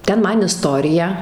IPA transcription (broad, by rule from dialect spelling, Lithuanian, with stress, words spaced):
ˈtʲɛn ˈmɐn ɪˈstoːrʲɪjɛ